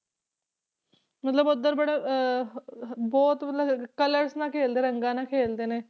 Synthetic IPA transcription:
mət̪ləbʊd̪əɾbəɽeː | bɔːt̪mət̪ləkələɾsnãːkʰeːld̪eːɾəŋɡãːnãːkʰeːld̪eːneː

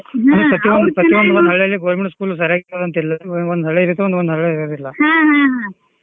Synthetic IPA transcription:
nupɾɐt̪iʋond̪upɾɐt̪iʋond̪uʋond̪ɦɐɭːejɐlːiɡoːɾmeɳʈskuːls̬ɐɾjaːɡit̪ːadðɐnt̪ilːɐond̪ɦɐɭːeɾɐt̪ːuʋond̪ʋond̪uɦɐɭːeɾɐd̪ilːɐɦaɦãɦã

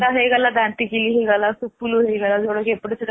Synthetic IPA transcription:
aɦeɡalad̪ãnt̪ikiliːɦeɡalasupːuluɦeɡalad͡zoɽəkepɽəsəd̪

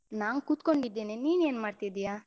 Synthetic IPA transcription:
naːnkut̪ko̞ɳɖid̪ːeːneniːneːnmaːɖt̪id̪ijaː

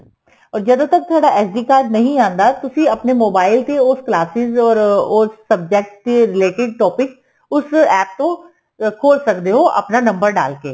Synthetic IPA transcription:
ɔːɾd͡ʒəd̪õːt̪ək̚t̪ʰʊaːɖaʔɛːsɖiːkaːd͡ʒnəɦĩːãːnd̪aːt̪ʊsĩːəpnemoːbaːɪlt̪eʊsklaːsɪzɔːɾʊsːəb̚d͡ʒɛk̚ʈ̚t̪eɾɪleːʈɪɖ̚ʈɔːpɪk | ʊsɛːp̚t̪õː | kʰoːlsəkd̪eːɦoːʔə̰pnaːnə̃mbəɾɖa̰ːlkeː

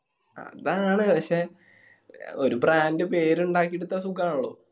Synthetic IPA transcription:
ɐ̰ðaːɳɨpɐkʂe | o̞ɾubraːndɨpe̞ːɾuɳɖaːk̬ːieɽut̪ːasukːaːɳuɭːo̰ː

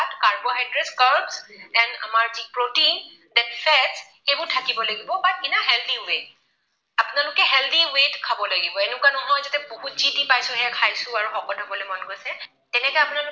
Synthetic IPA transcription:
atkaɹboɦajdɹɛskaɹbsɛnda̰maɹzipɹotin | dɛnfʰɛds | xɛbʊɹtʰakibɔlaɡibɔbat̚kinaɦɛld̪iwet̚ | apʊnalʊkɛɦɛld̪iwetkʰabɔlaɡibɔenʊkwanɔɦɔjzatɛboɦutzitipajsʊ̃ɦɛakʰajsʊ̃aɹuxɔkɔtɔbɔlojmɔnkojsɛ | tɛnɛkɔɛjapʊnal

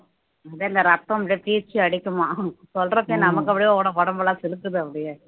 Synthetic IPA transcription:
ɐðeːɪnd̪ɐɾɐt̪ːɐ̃ɐpɽepiːɾt͡ʃːɯɐɽɪkʲːɯmaːsɔlrɾɐpːeːnɐmɐk̬ːɐpːɐɽɪjõkɔːɽɐpɔɽɐmbɐlãːsɪlɯt̪ːɯðɯɐpːɐɽɪjeː

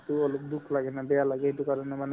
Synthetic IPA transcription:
tuɔlok̚dukʰlaɡɛnabɛjalaɡɛɦitukaɾɔnɛman

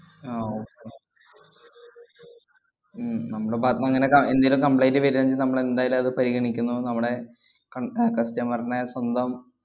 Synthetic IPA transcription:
aoːkːe | nɐmːuɽebaːt̪nɐɐŋːɐnekɐend̪ɐjlukɐmpɭejnlɨʋɐɾiɐɲd͡ʑilnɐmːɐɭe̞nd̪aːjɐilumɐðɨpɐɾiɣɐɳikʲːunːunɐmːuɽe̞ | kɐkɐstɐmɐrɐnɐswɐnd̪ɐm

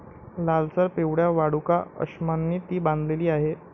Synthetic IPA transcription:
lalsəɾpeʋɽjaʋaɽukaə̰ɕmanːiːt̪iːbãnd̪ʱleliːaɦe

